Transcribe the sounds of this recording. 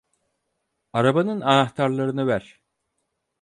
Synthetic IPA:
aɾabanɯnanaxt̪ʰaɾlˠaɾɯnɯvæɾ̥

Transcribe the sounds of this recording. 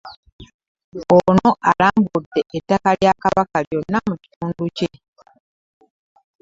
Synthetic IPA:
ono̞ʔalaːmɡudːe̞ʔetːakaljakaβakaljo̞nːamuci̥tuːnduce

